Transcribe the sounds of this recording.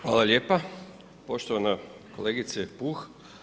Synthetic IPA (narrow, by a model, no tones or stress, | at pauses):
xʋa̰ːlˠalʲjeːpa | po̞ʃt̪oʋanakoleːɡit̪sepuːx